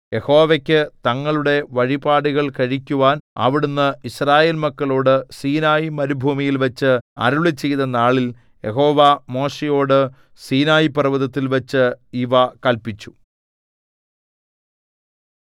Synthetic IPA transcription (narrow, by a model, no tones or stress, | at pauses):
je̞ho̞ːʋekʲːɨt̪ɐŋːɐɭuɽe̞ʋɐɻibaːɽuɣɐɭkɐɻikʲːuʋaːnɐ̰ʋiɽunːɨisraːjeːlmɐkːɐɭo̞ːɽɨsiːnaːjimɐɾubʱuːmijilʋɐt͡ɕːɨɐ̰ɾuɭit͡ɕːe̞jt̪ɐnːaːɭil | je̞ɦo̞ːʋɐmo̞ːʂejo̞ːɽɨ | siːnaːjipɐrɐʋɐðɐt̪ːilʋɐt͡ɕːɨiʋɐkɐlpit͡ɕːu̥